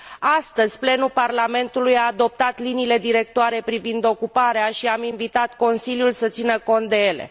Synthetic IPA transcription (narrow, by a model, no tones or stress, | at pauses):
ast̪əzʲple̞nuparlame̞nt̪ulujaːd̪o̞p̚t̪at̪liniːle̞d̪iɾe̞k̚t̪oaɾe̞pɾivind̪o̞kupaɾeaʃiaminvit̪at̪ko̞nsiljulsət̪sinəko̞nt̪̚d̪e̞je̞le̞̰